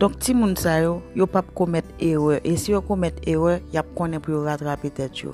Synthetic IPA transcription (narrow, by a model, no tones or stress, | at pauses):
d̥ɔ̃k̚timũnsajojopap̚komɛt̪eʁɛʔesijokomɛt̪eʁœjap̚kɔ̃nɛ̃pujoɣat̪ʁapet̪ɛtjo̰